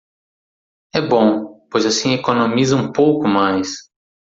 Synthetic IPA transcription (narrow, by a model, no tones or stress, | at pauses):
ɛbõpojzasĩekonõmizɐũpowkʊmajs